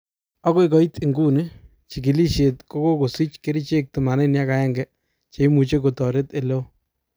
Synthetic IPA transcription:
a˦ko˦i˦kɔ˦i˦ti˨ŋɡu˦nɪ˦ | t͡ʃi˨k̬i˨li˦ʃe˨tko˦ko˦ko˨si˦t͡ʃke˦ɾi˦t͡ʃe˦k̚tu˨ma˨ne˦nja˦ka˨˦ɛ˦ŋɡɛ˦ | t͡ʃe˨i˦mu˨t͡ʃe˦ko˨tɔ˨ɾe˦te˨le˦

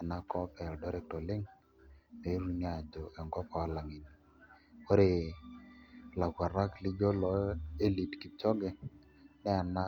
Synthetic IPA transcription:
a˨na˦kɔ˦pɛ˨ldɔ˦ɾɛ˦k̚tɔ˨lɪ˦ŋ | ne˨˦ɾu˦ɲa˨d͡ʒɔ˨ɛ˨ŋɡɔ˦pɔ˨a˦la˨ŋi˨ni˨ | o˦ɾe˨ | la˨ɡʷa˨ɾa˦kli˦ɡɔ˦lɔ˨˦e˦li˨tki˨t͡ʃɔ˦ɡɛ˨ | nɛ˦a˨na˦

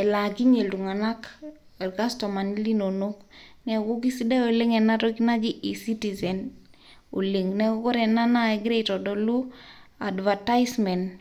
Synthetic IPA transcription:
ɛ˨la˨ɡi˦ɲe˨ldu˨ŋa˨na˦k | a˨ɾka˦stɔ˨ma˨ni˦li˦no˨no˦knɛ˨ko˦k̬i˦si˦da˦o˨le˦ŋɛ˨na˦tɔ˦ki˦na˦d͡ʒi˦ʔi˨si˦ti˨zɛ˨n | o̰˨li˨ŋnɛ˦ko˦ko˦ɾɛ˨na˦na˦e˦ɡɾe˦tɔ˨dɔ˨lu˦a˨dva˨ta˦jsmɛ˨n

